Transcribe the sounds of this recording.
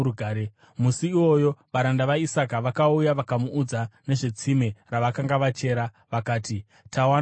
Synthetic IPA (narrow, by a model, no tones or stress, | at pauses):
uɡʱaːɾe | musiːwo̞jo̞ʋaɾandaʋaisakaʋakaujaʋakamuːd͡zane̞ʐe̞t͡simeraʋakaŋɡaʋat͡ʃe̞ːɾa | ʋakaːti | tʰawa